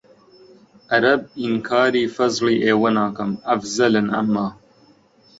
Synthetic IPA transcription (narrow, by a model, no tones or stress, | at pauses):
ʔɐɾɐb̚inkʰaːɾiːfɐzliːʔeːwɐnaːkɐmɐfzɐlɐnʔɐ̰mːaː